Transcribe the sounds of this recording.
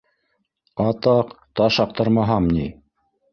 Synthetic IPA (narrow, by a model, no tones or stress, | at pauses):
ɑt̪ɑqt̪ɑʃɑq̚t̪ɤɾmɑɦɑmni